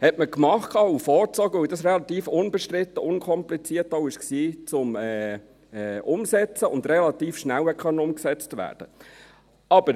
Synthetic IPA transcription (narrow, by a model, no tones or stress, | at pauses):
hɛtməkmɑχtkʰɑːufɔːɾt͡sɔɡəʋɵwdɑsrɛlɑt̪iːfʊnbɛʃtɾɪt̪ːəʔʊnkʰɔmplit͡siːəɾtowɪʃksiːt͡sʊmɛː | ɛːʊmsɛt͡səʊnd̪rɛlɑt̪iːfʃnæwhɛkχœnːəʊmksɛt͡stʋæ̰ːd̥ə | ɑb̥əɾ